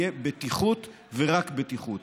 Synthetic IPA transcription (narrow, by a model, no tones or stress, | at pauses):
ebet̪iχut̪ | veʁakbet̪iχut̪